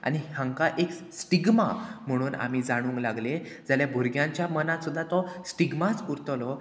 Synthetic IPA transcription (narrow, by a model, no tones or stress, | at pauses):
a̰ñihãŋkaʔeksʈiɡmam̤əɽ̃uːna̰m̤id͡zaɽ̃ũːŋklaɡle | d͡zaljabʱuɾɡjãɲt͡ɕjamənat̪sud̪ʱːat̪ɔsʈiɡmat͡skuɾt̪lɔ